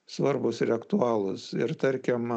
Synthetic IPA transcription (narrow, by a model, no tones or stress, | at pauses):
sʋɐrbʊsɪrɐkt̪uɑːlˠʊsɪɾt̪ɐɾʲkʲɛm